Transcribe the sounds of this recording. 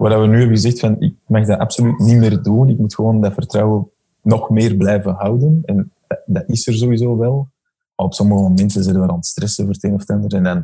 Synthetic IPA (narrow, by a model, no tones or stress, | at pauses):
wardaʋənyːɦɛbəɣəzɛxtfɑnɪ̰k̚maxdaʔapsolytnimeːrduːnɪkmutxəʋoːndɑfərtrɑwə | nɔxmeːrblɛjvənɦɑwdənɛnddɑtɪsərzowizoːʋɛlˠ | ɔpsɔməɣəmomɛntənzɛdəʋaːɾɔntstrɛsəvərteːnɔftand̪əɾɛndan